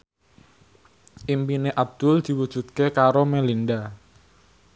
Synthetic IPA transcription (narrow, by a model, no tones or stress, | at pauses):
ʔimpineʔab̚d̪̥ʊld̪̥i̤wud̥ʒ̥ṳt̪̚kekaɾomɛlinɖa